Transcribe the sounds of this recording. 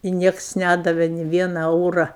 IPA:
ɪ ˈnʲiɛks ˈnʲædɐʋʲɛ nʲɪ ˈʋʲiɛnɐ ˈɛʊrɐ

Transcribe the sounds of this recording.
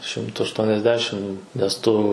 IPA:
ˈʃʲɪmtʊ ɐʃˈtuɔnʲɛzʲˌdʲæːʃʲɪm nʲɛs ˈtʊ

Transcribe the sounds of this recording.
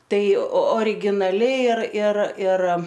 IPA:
ˈtɐɪ oːrʲɪɡʲɪnɐˈlʲɪ ɪr ɪr ɪr

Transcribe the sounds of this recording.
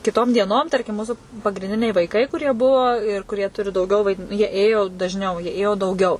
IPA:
kʲɪˈtoːm dʲiɛˈnoːm ˈtɐrʲkʲɪm ˈmuːsʊ pɐɡrʲɪnʲˈdʲɪnʲɛɪ ʋɐɪˈkɐɪ kʊˈrʲiɛ ˈbʊʋoː ɪr kʊˈrʲiɛ ˈtʊrʲɪ dɐʊˈɡʲɛʊ ʋɐɪˈdʲɪn jiɛ ˈeːjoː dɐʒʲˈnʲɛʊ jiɛ ˈeːjoː dɐʊˈɡʲɛʊ

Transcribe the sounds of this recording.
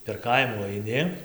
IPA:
pʲɛr ˈkɐɪmuː ɐɪˈnʲɪ

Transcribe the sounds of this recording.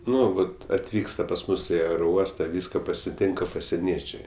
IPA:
ˈnʊ ˈʋɐt ɐtʲˈʋʲiːkstɐ pɐs ˈmʊs ɪ ɐɛroːˈuɔstɐ ˈʋʲiːskɐ pɐsʲɪˈtʲɪŋkɐ pɐsʲiɛˈnʲiɛt͡ʃʲɛɪ

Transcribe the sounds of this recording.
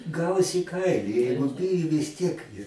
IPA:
ˈɡɐʊs iː ˈkɐɪlʲɪ ˈjɛɪɡʊ ˈbʲɪjʊ ʋʲɪs ˈtʲiɛk

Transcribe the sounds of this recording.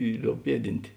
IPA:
ɪ ˈlʲoːʊp ˈpʲiɛˌdʲɪnʲtʲ

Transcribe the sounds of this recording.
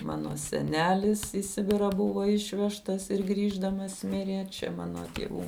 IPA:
ˈmɑːnoː sʲɛˈnʲæːlʲɪs iː ˈsʲɪbʲɪrɑː ˈbʊʋoː ˈɪʃʲʋʲɛʃtɐs ɪr ˈɡrʲiːʒdɐmɐs ˈmʲɪrʲeː ˈt͡ʃʲɛ ˈmɑːnoː tʲiɛˈʋuː

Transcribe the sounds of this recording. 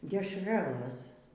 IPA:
dʲɛʃˈrɑːlˠɘs

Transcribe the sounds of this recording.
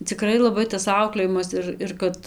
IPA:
t͡sʲɪˈkrɐɪ lˠɐˈbɐɪ tɐs ˈɐʊklʲeːjɪmɐs ɪr ɪr ˈkɐt

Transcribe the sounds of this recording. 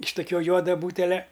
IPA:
ɪʃ toːˈkʲuɔ ˈjuɔdɐ ˈbuːtʲɛlʲɛ

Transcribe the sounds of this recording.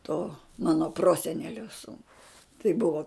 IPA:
toː ˈmɑːnoː ˈproːsʲɛnʲɛlʲoː ˈsuːnʊɪ tɐɪ ˈbʊʋoː

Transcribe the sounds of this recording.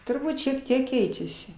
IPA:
tʊrˈbuːt ʃʲiɛk ˈtʲiɛk ˈkʲɛɪt͡ʃʲɛsʲɪ

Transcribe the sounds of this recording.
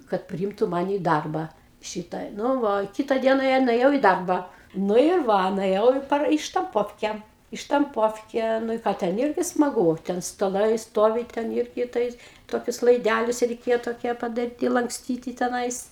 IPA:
kɐt pʲrʲɪˈɪmtʊ ˈmɑːnʲɪ ɪ ˈdɐrbɐ ˈʃʲɪtɐ ˈnʊ ˈʋɐ ˈkʲɪtɐ ˈdʲiɛnɐ jɛʊ nʊeːˈjɛʊ ɪ ˈdɐrbɐ ˈnʊ ɪr ˈʋɐ nʊɛˈjɛʊ ɪ ˈpɐr ɪ ʃtɐmˈpoːwkʲɛ ɪ ʃtɐmˈpoːwkʲɛ ˈnʊ ɪ ˈkɑː ˈtʲɛn ˈɪrʲɡʲɪ smɐˈɡuː ˈtʲɛn stɐˈlˠɐɪ ˈstoːʋʲɪ ˈtʲɛn ˈɪrʲɡʲɪ ˈtɐɪs ˈtoːkʲʊs lˠɐɪˈdʲælʲʊs rʲɛɪˈkʲeːjoː toːˈkʲiɛ pɐdɐˈrʲiːtʲɪ lˠɐŋkˈsʲtʲiːtʲɪ tʲɛˈnɐɪs

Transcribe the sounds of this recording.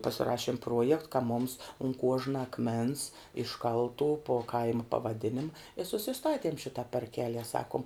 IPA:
pɐsʲɪˈrɑːʃʲiɛm ˈpruɔjɛkt kɐ mʊms ʊn ˈkuɔʒnɐ ɐkˈmʲɛns ɪʃˈkɐlˠtuː poː ˈkɐɪmɐ pɐʋɐˈdʲɪnʲɪmɐ ɪ sʊsʲɪˈstɑːtʲiɛm ʃʲɪtɐ pɐrʲˈkʲæːlʲiɛ ˈsɑːkʊm

